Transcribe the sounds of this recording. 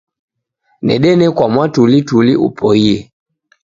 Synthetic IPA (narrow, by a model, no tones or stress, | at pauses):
nɛ̰ɗɛnɛkwamwatulituliṵpʰɔiɛ